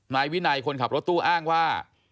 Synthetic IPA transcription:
naː˧jwi˦˥na˧jkʰo˧nkʰa˨˩p̚ɾo˦˥t̪ːuː˥˩ʔaː˥˩ŋwaː˥˩

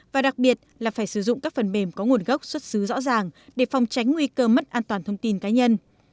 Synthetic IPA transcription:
vaː˨˩ɗa˨˩k̚ɓi˨˩ət̚laː˨˩faː˧˩jsɨ˧˩zʊ̰˧˨ŋ͡mkaː˦˥k̚fə˨˩nɓe˧˩mkɔ˨˦ŋu˨˩ənɣə˦˥wk͡p̚swə˦˥t̚sɨ˨˦zɔ̰˧˥zaː˨˩ŋɗe˧˩fa˨˧wŋ͡mt͡ɕa˨˦jŋ̟ŋwi˧kəː˧mə˦˥t̚ʔaː˧nt̪waː˨˩nt̪ʰə˧wŋ͡mt̪i˧nkaː˨˦ɲə˧n

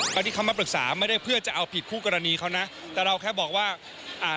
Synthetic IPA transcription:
a˧t̪i˥˩a˦˥˩ma˧˩pɾɯ˨˩k̚saː˩˦ma˥˩jda˥˩jpʰɯ˥˩ət͡ɕa˨˩ʔa˧wpʰi˨˩t̪̚kʰuː˥˩kɔ˧ɾa˧niː˧kʰa˦˥wna˦˥ʔ | t̪ɛː˨˩ɾa˧wkʰɛː˥˩bɔː˨˩k̚waː˥˩ | ʔaː˧˩

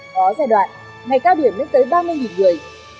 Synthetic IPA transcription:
ɔ˨˦zaː˧jɗwa̰ː˧˨n | ŋa˨˩jkaː˧wɗi˧˩əmnɨ˦˥k̚t̪əː˨˦jɓaː˧mɨ˧əjŋi˨˩nŋɨ˨˩əj

